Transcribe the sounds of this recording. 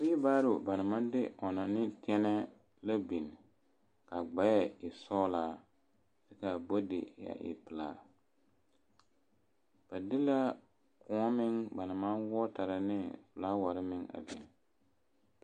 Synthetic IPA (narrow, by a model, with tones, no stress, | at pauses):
sɪ˦baː˦ɾʊ˨ba˨na˨ma˦ndɪ˦ʔɔ˨na˨nɪ˦tʰɛ˦nɛ˦ | la˦bi˨n | ka˨ɡ͡ba˨ja˦ɪ˨sɔː˦laː˨ | dɪ˦ka˨bo˦dɪ̰˨ja̰˨ʔɪ̰˨pɨ˨laː˨ | b̥a˨dɪ˦la˦ | kʊ˨˦mɪ˦ŋba˨na˨ma˦nwɔ˦ta˨ɾa˨nɪ˦fʊ˨la˦wa˨ɾɪ˦mɪ˦ŋa̰˨bi˨n